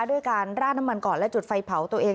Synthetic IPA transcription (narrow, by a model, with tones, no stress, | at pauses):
du˥˩əjkaː˧nɾaː˥˩na˦˥mːa˧nkɔː˨˩nlɛ˦˥t͡ɕu˨˩t̪̚fa˧jpʰa˩˦wt̪u˧ɐʔeː˧